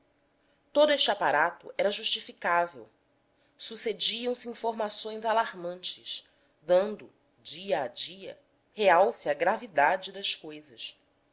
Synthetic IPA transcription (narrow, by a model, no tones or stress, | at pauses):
t̪od̪ʊeʃt͡ʃapaɾat̪ʊ̰ʔɛɾɐʒuʃt͡ʃifikavḛw | sused͡ʒiɐ̃w̃sɪĩfoɾmasõj̃zalaɾmɐ̃nt͡ʃɪʃ | d̪ɐ̃nd̪ʊ | d͡ʒiɐad͡ʒiɐ̰ | heawsiɐɡɾavid̪ad͡ʒɪd̪ɐskojzɐs